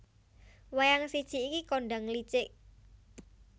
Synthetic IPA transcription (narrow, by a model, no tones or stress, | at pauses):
wajaŋsid̥ʒ̥i̤ːkikoɳɖaŋlit͡ʃɪʔ